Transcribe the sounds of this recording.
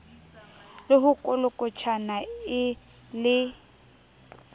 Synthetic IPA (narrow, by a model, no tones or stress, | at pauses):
lɪɦʊkʼʊlʊkʼʊt͡ʃʰanaɪ | lɪ